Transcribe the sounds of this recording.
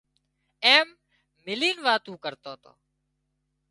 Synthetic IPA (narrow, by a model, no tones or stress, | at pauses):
eːmː | ɪliːnʋaːt̪ũːkəɾt̪oːt̪o̰ː